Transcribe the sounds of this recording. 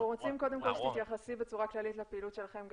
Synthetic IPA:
ʁot͡simko̞d̪emko̞lʃt̪it̪jaχasibet͡suʁaklalitlepeiːlut̪ʃe̞laχe̞mɡ

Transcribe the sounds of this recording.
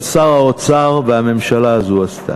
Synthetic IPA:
saʁhaot͡saʁveame̞mʃalaːzuast̪ʰa̰

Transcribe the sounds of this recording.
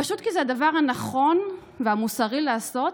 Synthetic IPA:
aʃut̪kizead̪avaʁhanaχo̞n | veamusaʁilaːso̞t

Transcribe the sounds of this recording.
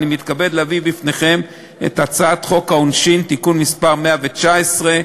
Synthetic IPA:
nimit̪kabe̞d̪lavibifne̞χe̞m | ḛt̪at͡saat̪χo̞kaonʃint̪ikunmispaʁme̞avet͡ʃaesʁe̞

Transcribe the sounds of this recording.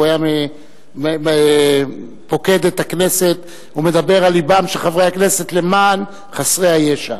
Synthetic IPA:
ajame | e | po̞ke̞d̪et̪akne̞se̞t̪ | ume̞d̪abe̞ʁalibamʃeχavʁejhakne̞se̞t̪le̞man | χasʁehajeʃa̰

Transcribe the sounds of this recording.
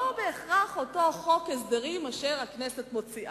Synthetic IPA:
obeːχʁaχoto̞χo̞kesd̪eʁimaʃeʁakneset̪mo̞t͡siʔa

